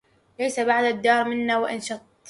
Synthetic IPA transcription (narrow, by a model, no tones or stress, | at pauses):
lajsabaʕd̪ad̪ːɑːɾˤmɪnːawɪʔa̰nʃɑt̪̚ˤ